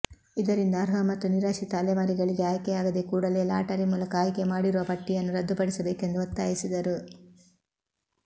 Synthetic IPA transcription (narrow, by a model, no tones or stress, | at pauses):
id̪ɐɾind̪ɐːɾɦɐmɐt̪ːuniɾaːʃit̪aːlɛʋaːɾiɡɐɭiɡe̞aːjkejaːɡɐd̪e̞kuːɽɐle̞ːla̰ːʈɐɾimuːlɐkɐːjkemaːɽiɾuʋɐpɐʈːijɐnːuɾɐd̪ːupɐɽisɐbe̞ːke̞nd̪uɐt̪ːaːjisid̪ɐɾu